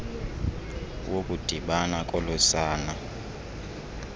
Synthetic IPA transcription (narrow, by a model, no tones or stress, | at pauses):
wokʼud̥ʱiɓanakʼɔlɔsaːna